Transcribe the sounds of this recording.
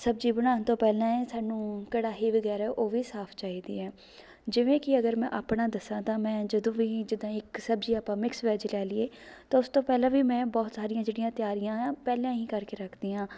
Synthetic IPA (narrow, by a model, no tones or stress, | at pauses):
səbd͡ʒiːbəɽ̃aːnt̪õːpɛːlãːɛsaːnũːkəɽaːɦiːʋəɡɛːɾɛːʔoːʋiːsaːpʰt͡ʃaːɦiːd̪ḭːɛː | d͡ʒɪʋẽːkɪəɡəɾmɛ̃ʔaːpɳaːd̪əsãːt̪ãːmɛ̃ːd͡ʒəd̪õːʋiːd͡ʒɪd̪ːãːɪksəbd͡ʒiːaːpãːmɪksʋɛːd͡ʒlɛːlɪeː | t̪ãːʊst̪õːpɛːlãːʋiːmɛ̃ːbɔːt̪saːɾɪjãːd͡ʒeːɽijãːt̪ɪjaːɾɪjãːãːpɛːlãːĩːkəɾkeːɾəkʰd̪iːãː